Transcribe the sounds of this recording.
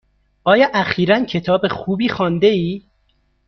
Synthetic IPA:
ʔɒːjɒːʔæxiːɾæncʰe̞t̪ʰɒːbe̞xuːbiːxɒːnd̪eiː

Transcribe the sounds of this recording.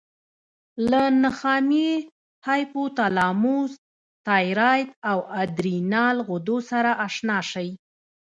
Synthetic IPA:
lanaxɑme | hɑjpot̪alɑmus | t̪ɑjɾɑjd̪awad̪ɾinɑlɣod̪osaɾaʔaʂnɑʃaj

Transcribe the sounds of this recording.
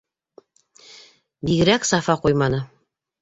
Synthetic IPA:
biɣɘ̆ɾæksɑfɑqujmɑnɤ

